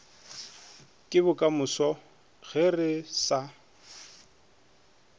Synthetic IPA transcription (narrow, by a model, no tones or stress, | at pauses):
kʼɪbʊkʼamʊsɔ | ɣɛrɪsa